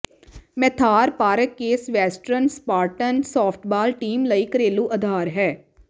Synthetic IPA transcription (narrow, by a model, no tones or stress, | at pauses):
mɛt̪ʰaːɾpaːɾəkːeːsʋɛːsʈɾənspaːɾʈənsɔːpʰʈʰbaːlʈiːmləiːkəɾeːlũːʔəd̪ʱaːɾɦɛː